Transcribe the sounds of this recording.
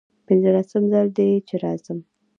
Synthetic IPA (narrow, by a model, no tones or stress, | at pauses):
pɪnzəlasəmzəld̪et͡ʃeɾɑz̥əm